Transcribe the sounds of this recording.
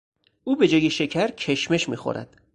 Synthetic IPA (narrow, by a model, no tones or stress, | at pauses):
uːbe̞d͡ʒɒːje̞ʃe̞cʰæɾcʰe̞ʃme̞ʃmiːxo̰ɾʔæ̰d̪̥